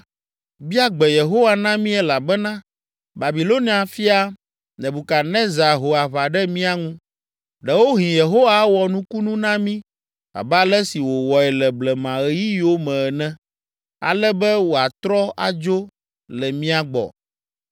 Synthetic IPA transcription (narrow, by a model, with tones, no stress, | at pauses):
bi˦a˦ɡ͡bɛ˨je˨ɦo˦wa˦nã˦mĩ˦ɛ˦la˨bɛ˦nã˦ | ba˨bi˨lo˦nĩ˦ã˨fi˦a˦ | nɛ̃˨bu˨ka˨nɛ̃˦za˨ɦo˨a˨βa˨ɖɛ˦mĩ˦a˦ŋũ˦ | ɖɛ˨wo˦ɦĩ˨je˨ɦo˦wa˦wɔ˨nũ˦ku˦nũ˦nã˦mĩ˦ | a̰˨bɛ˦a˦lɛ˦si˨wo˨wɔ˨ɛ˨lɛ˨blɛ˨mã˨ɛ˦ji˦jo˦mɛ̃˨ɛ˨nɛ̃˦ | a̰˨lɛ˦bɛ˦wo˨a˨t̪ɾɔ˦a̰˨d͡ʒo˦ | lɛ˨mĩ˦a˨ɡ͡bɔ̰˨